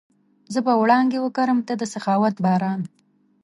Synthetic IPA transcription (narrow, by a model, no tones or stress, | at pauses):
zəbawɽɑŋɡewəkaɾəmt̪ad̪əsaxɑwat̪bɑɾɑn